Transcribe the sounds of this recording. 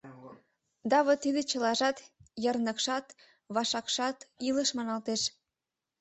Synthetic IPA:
d̪ɑβət̪id̪et͡ɕə̆lɑʒɑt̪jərnə̆kʃɑt̪ | βɑʃɑkʃɑt̪iləʃmɑnɑlt̪eʃ

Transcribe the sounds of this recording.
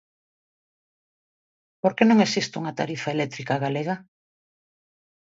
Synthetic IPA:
poɾkenõŋesist̪uŋat̪aɾifaelɛt̪ɾikaɣaleɣa

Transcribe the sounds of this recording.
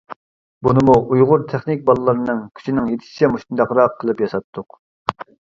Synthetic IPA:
bunɨmuʔujʁʊɾt̪ʰæχnɪk̚ʲbɑlˠɨlˠɨɾɨnɨŋkʲʰy̥t͡ʃʰinɪŋjet̪ʰɪ̥ʃi̥t͡ʃʰɛmuʃt̪und̪ɑqɾɑqʰːəlˠɨpjɑsɑt̪ʰːʊq

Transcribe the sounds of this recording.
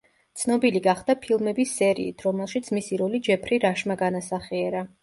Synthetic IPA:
t̪sʰnɔbiliɡaχd̪̥apʰilˠmɛbisɛɾḭːt̪ʰɾɔmɛlˠʃit̪sʰmisiɾɔlid͡ʒɛpʰɾiɾaʃmaɡanasaχiɛɾa

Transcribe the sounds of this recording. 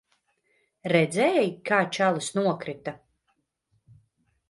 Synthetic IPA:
ɾɛd̪zɛɛjkaːt͡ʃalˠɨsnuɔkɾit̪a

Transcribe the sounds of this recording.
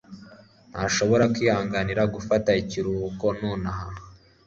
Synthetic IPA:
n̥haʃo̞βo̞ɾakwiːhaːŋɡaniɾaɡufataiciɾuko̞noːnaha

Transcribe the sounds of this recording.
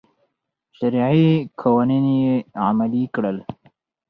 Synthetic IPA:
ʃaɾiʕikʰawaninjea̰malikɽəl

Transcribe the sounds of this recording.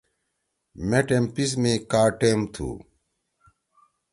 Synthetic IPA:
meʈempis̬mĩkaːʈemt̪ʰṵ

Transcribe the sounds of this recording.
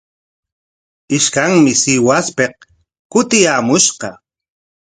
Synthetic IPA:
ɪʃkaŋmɪsɪwaspeq̚ | kʊt̪ɪjaːmʊʃqɑ

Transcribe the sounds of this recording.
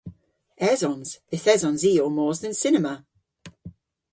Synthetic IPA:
ɛzɔ̃nz̥ðɪθɛzɔ̃nziːomɔːzðə̃nsɪnɛmə

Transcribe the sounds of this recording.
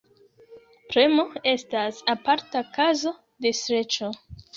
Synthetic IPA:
pɾe̞mo̞e̞stasapaɾtakazo̞ | de̞sɾe̞t͡ʃo

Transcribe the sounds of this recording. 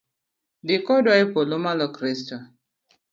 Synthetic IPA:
dɪkɔdaɪpolomalɔkɾistɔ

